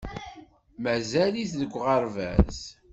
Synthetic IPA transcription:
mæzæliθðəɡʷːʁɑɾvæ̰z

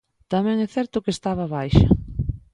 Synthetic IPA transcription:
t̪amɛ̃ŋɛθɛɾt̪ʊkest̪aβ̞ɐβajʃa̰

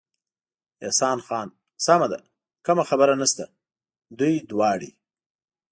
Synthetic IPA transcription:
esɑːnxɑːn | samad̪a̰ | kəmaxabəɾanast̪a | d̪ujd̪wɑːɽḭ

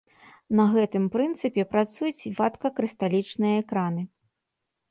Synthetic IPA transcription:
nɐɣɛt̪ɨmpɾɨnt̪sɨpʲɛpɾat̪sujut͡sʲvat̪kɐkɾɨst̪alʲit͡ʂnɨjɐɛkɾanɨ

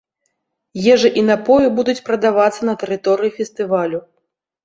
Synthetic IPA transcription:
jɛʐɨʔinapɔjibud̪ut͡sʲpɾɐd̪avat̪sːɐnɐt̪ɛɾɨt̪ɔɾɨjifʲɛst̪ɨvalʲu

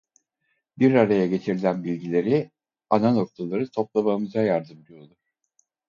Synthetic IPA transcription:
biɾaɾajaɟe̞t͡ʃʰiɾilʲænbilʲɟilʲe̞ɾi | anano̞k̚t̪ʰalˠaɾɯt̪ʰo̞p̚lˠamamɯzajaɾd̪ɯmd̪ujolˠuɾ̥

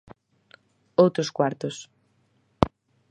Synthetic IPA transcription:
owt̪ɾʊskwaɾt̪ʊs

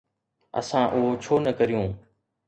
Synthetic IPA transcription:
ə̰sãːʔʊɦot͡ʃʰoːnəkəɾijõː

